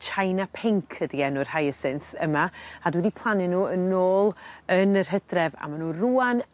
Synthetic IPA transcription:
t͡ʃʰajnapʰɪŋkʰədiɛnʊr̥hajəsɪnθəmaadwɛdipʰlˠanɪnuːənoːlˠənər̥ɦədrɛva̰manuːruːan

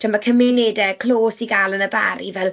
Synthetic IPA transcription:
d̥əmakʰəmɪnedɛkʰl̥oːsiɡalˠənəba̰ɾḭvɛlˠ

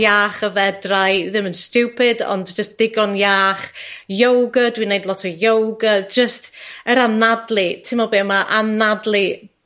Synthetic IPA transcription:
jaːχəvɛdrajðɪmənstuwpʰɪdɔ̰ndd͡ʒəsd̥ɪɡɔnjaːχjowɡədwinejdlɔtʰɔjowɡəd͡ʒəstəɾanadlˠɨtʰɪmɔbeːmaʔanadlˠɨ

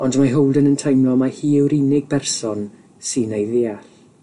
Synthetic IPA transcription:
ɔndmaɦowlˠdənəntʰajmlɔmahiːɪwɾinɪɡ̚bɛrsɔn | sinejðɪaɬ

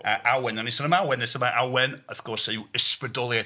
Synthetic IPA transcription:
əʔawɛnanisɔnəmawɛnðɪsəmaʔawɛnəθɡ̥ɔrsewɪspədɔlˠja

